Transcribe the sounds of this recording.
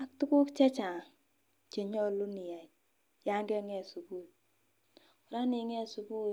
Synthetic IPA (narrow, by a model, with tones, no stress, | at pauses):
a˦k̚tu˦ku˦kt͡ʃɛ˦t͡ʃa˨ŋ | t͡ʃe˨ɲɔ˦lu˦ni˨ja˨i˨ | ja˦ŋɡɛ˦ŋɛ˨su˨ku˦t̚ | ʊ˨ɾa˦ni˨˦ŋɛ˦˨su˨ku˦